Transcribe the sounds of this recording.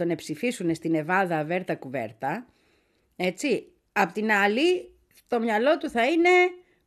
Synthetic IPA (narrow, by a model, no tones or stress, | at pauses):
o̞ne̞psifisune̞st̪ine̞vɐðɐːve̞ɾt̪ɐkuve̞̰ɾt̪ɐ | e̞t͡si | ɐpot̪inɐli | t̪o̞mɲɐlo̞t̪uθɐine̞